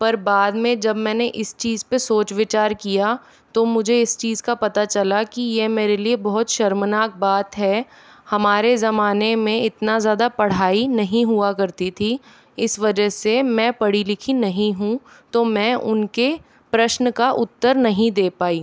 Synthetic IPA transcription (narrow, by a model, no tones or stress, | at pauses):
pɐɾbaːd̪mẽd͡ʒɐbmɛ̃ːneʔɪst͡ʃiːzpesoːt͡ʃʋɪt͡ʃaːɾkija | t̪omʊd͡ʒʱeɪst͡ʃiːzkapɐt̪at͡ʃɐlakijemeːɾeliebɔɦʊt̪ʃɐɾmnaːk̚baːt̪ɦɛ | hɐmaːɾezɐmaːnemẽɪt̪nazjaːd̪apɐɽ̤aːinɐɦĩɦuakɐɾt̪it̪ʰi | ɪsʋɐd͡ʒəɦsemɛ̃ːpɐɽilɪkʰinɐɦĩɦũ | t̪omɛ̃ːʔʊnke | pɾɐʃnəkaʔʊt̪ːəɾnɐɦĩd̪eːpaːiː